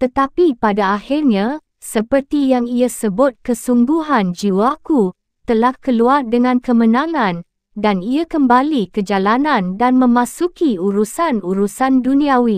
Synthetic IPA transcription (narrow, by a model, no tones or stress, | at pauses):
t̪ət̪apipadaahirɲa | səpərt̪ijaŋiasəbʊt̪̚kəsumɡuɦand͡ʒiwaku | t̪əlahkəluardəŋãnkəmənãŋãn | daniakəmbalikəd͡ʒalanãndanmə̃mãsukiuɾusanuɾusandunĩawi